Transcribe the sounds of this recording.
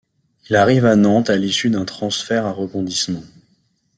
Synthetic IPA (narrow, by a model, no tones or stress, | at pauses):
ilaʁivanɑ̃t̪alisyd̪ɛ̃t̪χɑ̃sfɛʁaʁəbɔ̃d̪ismɑ̃